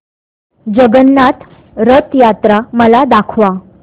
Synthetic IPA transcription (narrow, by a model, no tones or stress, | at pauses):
d͡ʑəɡənːat̪ | ɾət̪jat̪ɾaməlad̪akʰʋa